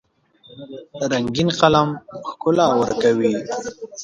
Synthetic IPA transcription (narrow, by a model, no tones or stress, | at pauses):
ɾaŋɡinqalamxkʊlawəɾkawi